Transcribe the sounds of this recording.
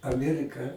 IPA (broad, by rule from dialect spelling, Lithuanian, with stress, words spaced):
ɐˈmʲiɛrʲɪkɐ